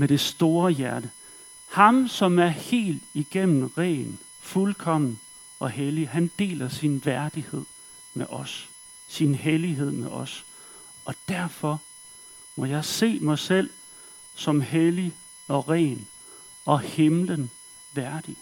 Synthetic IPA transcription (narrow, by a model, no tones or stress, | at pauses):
meɾ̥e̝sd̥o̝ːɐjæɐɾə | hɑ̈msɒ̽mæɐhe̝̰ːld̥iɡ̥em̰n̩ʁɛ̰ːn | fulkʰɒ̽m̰n̩ | ʔɒ̽helihænd̥e̝̰ːlɐsinʋæɐd̥ihe̝ð̞̰ˠ | meʔɒ̽sː | inɦeliɦe̝ð̞̰ˠmeʔɒ̽s | ɒ̽d̥æɐfɒ̽ | mɒ̽jɑ̈ɪse̝̰ːmɑ̈ɪsel̰ | sɒ̽mheli | ɒ̽ʁɛ̰ːn | ɒ̽he̝mlən | ʋæɐd̥i